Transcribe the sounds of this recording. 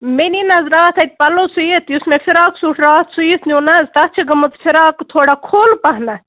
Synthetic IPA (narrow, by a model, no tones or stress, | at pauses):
meninɐzɾaːt̪ʰɐt̪̚ʲpɐlosujet̪jusmefʰiɾaːksuʈʰɾaːt̪sujisnʲuːnɐzt̪ɐt͡ʃʰiɡɐmut̪fʰiɾaːkt̪ʰoːɽakʰoːlpɐɦnɐ